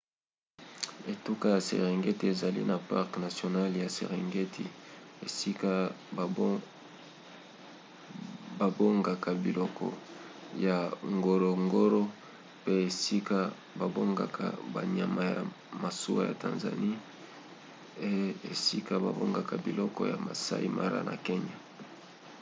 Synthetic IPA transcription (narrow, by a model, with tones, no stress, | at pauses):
e˨tu˦ka˦ja˨sḛ˨ʁi˨ŋɡe˦ti˦e˨za˨lḭ˦na˨pa˦ʁkna˨sjo˨na˦lja˨se˨ʁi˨ŋɡe˦tʰi˨e˨si˦ka˦ | ba˨bo˦ŋɡa˨ka˨bi˨lɔ˨kʰɔ̰˨ | ja˨ŋɡo˨ɾo˨ŋɡo˦ɾo˦ | pe˦e˨si˦ka˦ | ba˨bo˦ŋɡa˨kʰa̰˨ba˨ɲa˨ma˨ja̰˨ | ma˨su˦wa˦ja̰˨tã̰˨nza̰˨ni˦ | e˦e˨si˦ka˦ba̰˨bo˦ŋɡa˨ka˨bi˨lɔ˦kɔ˦ja̰˨ma˨sa̰˦ḭ˦ma˦ɾa̰˦na̰˨ke˦ɲa˨